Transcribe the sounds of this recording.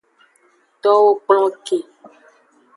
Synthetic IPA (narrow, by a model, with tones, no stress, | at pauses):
t̪ɔ˦wo˦k͡plɔ̃˦ke˨